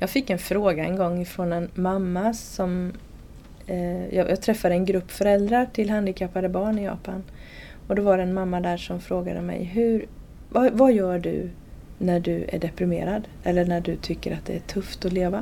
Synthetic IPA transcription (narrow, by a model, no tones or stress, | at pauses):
jɑːɡfɪkːɛnfɾoːɡaɛ̰nɡɔŋːɪfɾɔnɛnmamːasɔm | jjɑːɡ̚t̪ʰɾɛfːad̪əɛnɡɾɵpːfœɾɛld̪ɾaʈʰɪlɦand̪ɪkʰapːaɾəbɑːɳɪjɑ̰ːpan | ɔd̪ɔvaɾɛɛnmamːad̪æːʂɔmfɾoːɡad̪ə̰mɛ̰jɦɵɾ | vavajœːɖɵ̰ | næɖɵæ̰ɖɛpɾɪmḛːɾad̪ɛlːəɳæɖɵt̪ʰʏkːəɾʔat̪̚d̪ɛ̰æʈʰɵft̪ɔleːva